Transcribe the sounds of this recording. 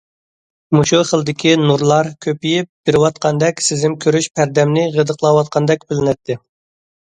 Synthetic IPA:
muʃuχəlˠd̪ɪkʲʰinuɾlˠɑɾkʲʰøpijip̚b̥ɪɾɪwɑt̪̚qʰɑnd̪ɛkʲsɪzɪmkʲʰøɾyʃpʰæɾd̪ɛmnɪʁəd̪əqlˠɑwɑt̪̚qʰɑnd̪ɛkʲbɪlɪnɛt̪ʰːɪ

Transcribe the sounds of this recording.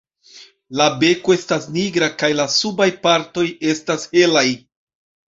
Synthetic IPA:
labe̞ko̞e̞stasniɡɾakajlasubajpaɾto̞je̞stashe̞laj

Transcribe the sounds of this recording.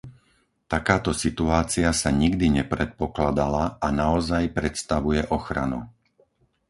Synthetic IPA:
t̪akaːt̪ɔsit̪uaːt͡siasaɲiɡd̪iɲɛpɾɛt̪̚pɔklad̪alaanaɔzajpɾɛt̪st̪aʋujɛʔɔxɾa̰nṵ

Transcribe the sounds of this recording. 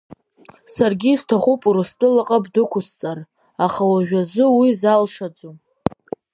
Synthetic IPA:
sarɡʲiztʰaχupʼuɾɨstʼɨlaqʼabdɨkʷʰʊst͡sʼar | aχawaʒᶣʷazɨwizalʂad͡zu

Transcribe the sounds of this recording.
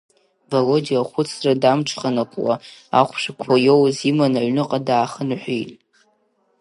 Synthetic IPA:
valodiaχʷʊt͡sʰradamʈ͡ʂʰχanakʷʼwa̰a̰χʷʂakʷʰajo̞wzimanaʕʷnɨqʼadaːχənħʷijtʼ

